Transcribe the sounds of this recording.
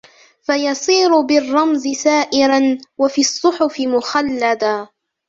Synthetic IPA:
fajɑsˤiːɾʊbɪrˤːɑmzɪsaːʔɪɾanwafiːɑsˤːʊħʊfɪmʊxalːad̪a

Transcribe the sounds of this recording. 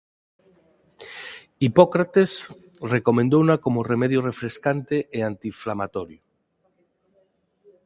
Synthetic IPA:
ipokɾat̪es | rekomẽnd̪ownakomoremeðjorefɾeskant̪eʔeant̪iɱflamat̪oɾjo

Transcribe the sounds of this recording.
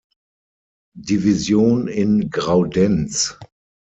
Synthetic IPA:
divizjoːnɪnɡʁaʊdɛnt͡s

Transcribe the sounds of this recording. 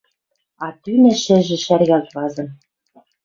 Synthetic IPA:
ɑt̪ynɘ̆ʃɘ̆ʒɘ̆ʃærɣælβɑzɤ̆n

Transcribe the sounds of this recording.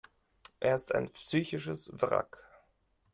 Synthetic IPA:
ʔeːɐɪstaɪnpsyːçɪʃəsvʁa̰k

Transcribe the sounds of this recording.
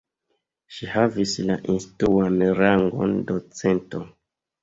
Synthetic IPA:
ʃihavislaʔinstɾuanɾaŋɡo̰ndot͡se̞nto

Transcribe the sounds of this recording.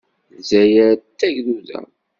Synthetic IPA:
zæjəɾt̪ːæʝðuðæ̰

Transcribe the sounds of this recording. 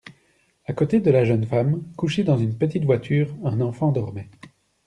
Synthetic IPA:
akot̪ed̪əlaʒənfamkuʃed̪ɑ̃zynpət̪it̪vwat̪ʰyːʁɛ̃nɑ̃fɑ̃d̪ɔʁmɛ

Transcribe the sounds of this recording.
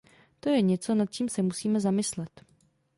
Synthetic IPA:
t̪o̞jɛɲɛt͡so̞nat̪̚t͡ʃiːmsɛmusiːmɛzamɪslɛt̪

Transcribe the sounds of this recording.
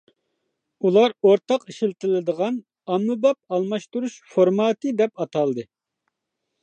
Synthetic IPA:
ulˠɑɾoɾt̪ʰɑqiʃilt̪ʰɪlɪd̪əʁɑn | ɑmːɨbɑp̚ɑlˠmɑʃt̪uɾuʃfoɾmɑːt̪ɨd̪ɛpɑt̪ʰɑlˠd̪ɨ

